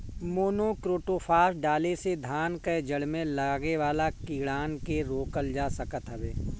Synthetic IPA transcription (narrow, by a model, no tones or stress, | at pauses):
moːnokɾoːʈoːfʰaːsɖaːlesed̪ʱaːnkəd͡ʒɐɽmẽlɐɡeʋaːlakiːɽaːnkeɾoːkəld͡ʒaːsɐkət̪ɦɛʋeː